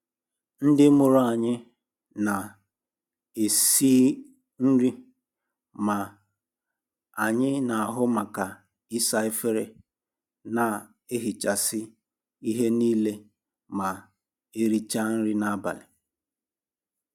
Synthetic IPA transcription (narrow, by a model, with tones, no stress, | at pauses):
n̩˦dɪ˦mʊ˨ɾʊ˦a˨ɲɪ˦ | na˨ | e˨si˦ | n̩˦ɾi˦ | ma˨ | a˨ɲɪ˦na˨a˨ɦʊ˦ma˨ka˨ | ɪ˦sa˦e˦fe˦ɾe˨ | na˨ | e˦ɦi˨t͡ʃa˨sɪ˦ | i˦ɦe˦niː˦le˦ | ma˨ | e˦ɾi˦t͡ʃa˦n̩˦ɾɪ˦na˦ba̰˨lɪ˨